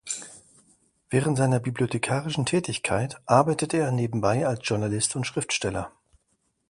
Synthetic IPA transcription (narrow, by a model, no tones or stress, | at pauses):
v̥ɛːʁəntz̥aɪnɐbibliotʰekʰaːʁɪʃn̩tʰɛːtɪçkʰaɪtʔaɐbaɪtəteːɐneːbm̩baɪalsʒ̥ʊɐnalɪstʊntʃʁ̥ɪftʃtɛlɐ̰